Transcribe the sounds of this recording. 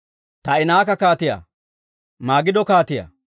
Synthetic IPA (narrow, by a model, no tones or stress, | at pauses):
t̪ɐɪnaːkːɐkaːt̪ɪja̰ː | maːɡɪd̪ɔkaːt̪ɪja̰ː